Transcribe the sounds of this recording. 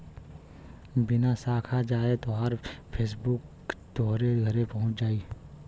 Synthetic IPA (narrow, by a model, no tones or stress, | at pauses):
bɪnasaːkʰad͡ʒaːet̪oɦəɾpʰeːs̬bʊk | d̪ɔːɦɾeɡʱɐɾepɐɦʊ̃t͡ʃd͡ʒaːiː